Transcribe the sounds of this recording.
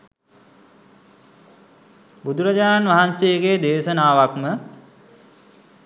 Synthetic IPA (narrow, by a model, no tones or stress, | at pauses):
bud̪uɾəd͡ʑaːɾnʋaɦanseːɡeːd̪eːʃənaːʋakmə